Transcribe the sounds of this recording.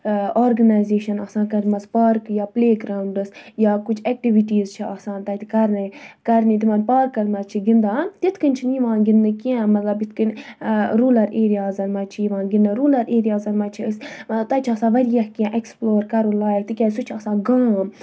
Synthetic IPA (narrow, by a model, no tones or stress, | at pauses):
oːɾɡɐnaːjzeːʃɐnɐːsãːkɐɾmɐzpaːɾkjaːpleːɡɾaːuɳɖɨsjaːkʊt͡ʃʰɛk̚ʈiʋiʈiːzt͡ʃʰiaːsãːnt̪ɐt̪ʰikɐɾnikɐɾnit̪imɐnpaːɾkːɐɾmɐzt͡ʃʰiɡind̪aːt̪it̪ʰkɐnʲt͡ʃʰiniʋãːnɡinːɨkiɛ̃mɐt̪lɐbit̪ʰkənʲɾuːlɐɾeːɾijaːzɐnmɐt͡ʃʰiiʋãːnɡinːəɾuːlɐɾeːɾijaːzɐnmɐt͡ʃʰiəsmɐbt̪ɐt͡ʃʰiɐːsãːʋɐɾijɐhkiɛ̃ːʔeksploːɾkɐɾulaːjɐlt̪ikʲɛ̃ːsut͡ʃʰɐsãːɡaːm